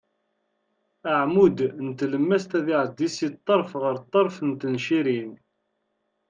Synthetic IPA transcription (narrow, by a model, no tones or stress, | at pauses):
əʕmud̪nət̪ləmːæst̪æðiʕəd̪ːisit̪ˤːɑɾˤfʁəɾt̪ˤːɑɾˤfənt̪ənʃiɾin